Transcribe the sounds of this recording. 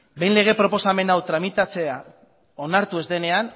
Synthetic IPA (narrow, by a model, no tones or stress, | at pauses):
be̞jnle̞ɣ̞e̞pɾo̞po̞same̞nawt̪ɾamit̪at͡se̞a | onaɾt̪ue̞zd̪e̞ne̞an